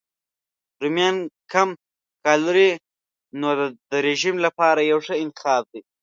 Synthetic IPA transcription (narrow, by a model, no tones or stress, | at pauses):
ɾumjɑnkam | kɑluɾi | nod̪əɾeʒimlapɑɾajawʂəɪnt̪ɪ̥xɑːb̚d̪i